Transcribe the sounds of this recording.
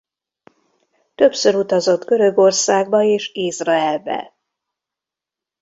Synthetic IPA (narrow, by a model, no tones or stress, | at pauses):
t̪ø̞psøɾut̪ɒzo̞t̪ɡø̞ɾø̞ɡo̞rsaːɡbɒeːʃizrɒɛlvɛ̰l